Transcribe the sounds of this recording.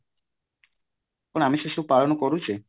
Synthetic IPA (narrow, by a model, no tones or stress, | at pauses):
puɽ̃amiʃeʃuwpaɭɔnɔkɔɾut͡ʃʰi